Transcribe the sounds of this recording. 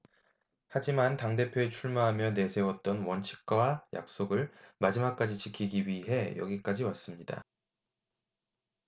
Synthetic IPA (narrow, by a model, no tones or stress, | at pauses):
had͡ʑimantaŋde̞pʰjoe̞t͡ɕʰuɭmaɦamjʌne̞sʰe̞wʌt̚t͈ʌnwʌnt͡ɕʰi̥k̚k͈awaja̰k̚s͈oɡɯɭmad͡ʑimak̚k͈ad͡ʑit͡ɕikʰiɡiɥiɦe̞jʌ̰ɡik͈ad͡ʑiwas͈ɯmɲida̰